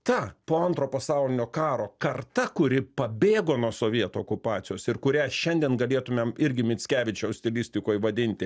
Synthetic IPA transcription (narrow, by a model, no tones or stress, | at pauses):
t̪ɐpoːɐnt̪ɾoːpɐsɑʊlʲɪnʲoːkɑːɾoːkɐrt̪ɐkʊɾʲɪpɐbʲeːɡoːnuːsoːʋʲiɛt̪oːkʊpɑːt̪sʲɪjoːsɪrkʊɾʲæːʃʲɛnʲd̪ʲɛnɡɐlʲeːɛt̪ʊmʲeːmɪɾʲɡʲɪmʲɪsʲkʲæːʋʲɪt͡ʃʲɛʊsʲt̪ʲɪlʲɪsʲt̪ʲɪkoːjʋɐd̪ʲɪnʲt̪ʲɪ